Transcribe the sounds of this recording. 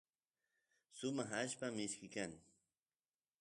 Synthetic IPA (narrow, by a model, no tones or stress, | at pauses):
sʊmaχaʃpamɪʃkɪkaŋ